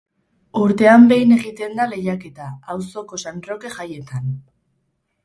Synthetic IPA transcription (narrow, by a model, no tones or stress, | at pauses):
uɾt̪e̞ambe̞jne̞ɣit̪e̞nd̪ale̞ʎake̞t̪aːwso̞ko̞sanro̞ke̞ʝaje̞t̪an